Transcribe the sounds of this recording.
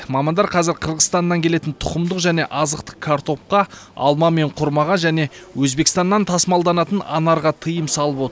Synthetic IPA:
mɑmɑnd̪ɑɾqʰɑzɪɾqʰəɾʁəzt̪ɑnːɑŋkʲʰe̞le̞t̪ɪnt̪ʰʊqəmd̪əqʒæne̞ʔɑzəq̚t̪ə̥kʰaɾt̪o̞p̚qɑɑ̰lˠmɑme̞ɴqʰʊɾmɑʁɑʒæne̞wɵzbekst̪ɑnːɑnt̪ʰɑsmɑlˠd̪ɑnɑt̪ənɑ̰nɑɾʁɑt̪ʰəjəmsɑlˠəpwo̞t̪

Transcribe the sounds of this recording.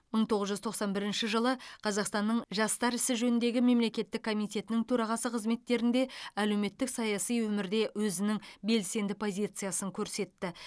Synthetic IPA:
məɴt̪ʰo̞ʁəzʒʏzt̪ʰo̞qsɑnbɪɾɪnʃɪʒəlˠəqʰɑzɑqst̪ɑnːəɴʒɑst̪ɑɾɪsɪʒɵnɪnd̪e̞ɡʲɪme̞mle̞kʲe̞t̪ːɪkʰːo̞mijt̪ʲʰe̞t̪ɪnɪŋt̪ʰɵɾɑʁɑsəqʰəzme̞t̪ːe̞ɾɪnd̪e̞æle̞wme̞t̪ːɪksɑjɑsijwɵmɪɾd̪e̞wɵzɪnɪŋbe̞lse̞nd̪ɪpʰo̞zʲit̪sɨjasəŋkʲʰɵɾse̞t̪ːɪ

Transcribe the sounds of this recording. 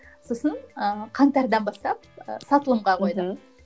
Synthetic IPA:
so̞sənəqʰɑŋt̪ɑɾd̪ɑnbɑst̪ɑp̚sɑt̪əlˠəmʁɑqʰo̞jd̪ə

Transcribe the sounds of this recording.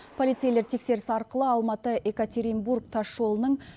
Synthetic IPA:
pʰo̞lijt̪sejle̞ɾt̪ʰe̞kse̞ɾɪsɪɑɾqəlˠəɑlˠmɑt̪əʔe̞kat̪ʰeɾimburk̚t̪ʰɑːo̞lˠənəɴ

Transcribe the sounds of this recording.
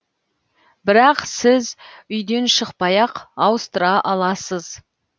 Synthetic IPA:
bɪɾɑqsɪzʏjd̪e̞nʃəqpɑjɑqɑwəst̪əɾɑʔɑlˠɑsəz

